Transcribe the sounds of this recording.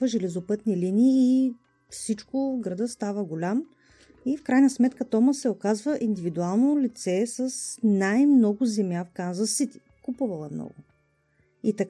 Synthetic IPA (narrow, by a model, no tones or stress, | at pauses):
əʒɛlɛzopɤt̪niliniː | fsit͡ʃkʊɡɾɐd̪əst̪avəɡolʲam | ifkɾajnəsmɛt̪kət̪ɔməsːɛokazvəʔind̪ivid̪ualˠnolit̪sɛsəsnajmnɔɡʊzɛmʲjafkanzəsit̪i̥ | kupuvəlˠəmnɔ̰ɡʊ | it̪ɐ